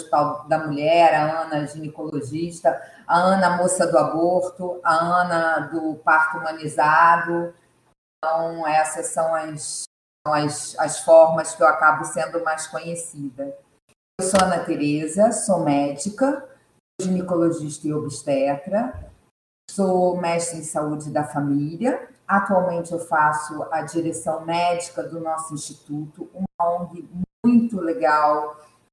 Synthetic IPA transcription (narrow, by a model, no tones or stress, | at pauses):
it̪awd̪ɐmuʎɛɾɐɐ̃nɐʒinikoloʒiʃt̪ɐ | ɐɐ̃nɐmosɐd̪ʊaboɾt̪ʊɐɐ̃nɐd̪ʊpaɾt̪umɐ̃nizad̪ʊ̃ | t̪ɐ̃w̃ɛsɐsɐ̃w̃ɐs | ɐ̃w̃ɐsɐsfɔɾmɐskɪewakabʊsẽnd̪ʊmajskõɲesid̪ɐ | ewsoɐ̃nɐt̪eɾezɐsomɛd͡ʒikɐ | oʒinikoloʒiʃt̪ɐɪobiʃt̪ɛɐt̪ɾɐ | sowmɛʃt̪ɾɐ̃saud͡ʒɪd̪ɐfamiliɐat̪uawmẽnt͡ʃɪewfasʊɐd͡ʒiɾesɐ̃w̃mɛd͡ʒikɐd̪ʊnɔsʊĩʃt͡ʃit̪ut̪ʊũmɐõɡɪmũj̃t̪ʊleɡaw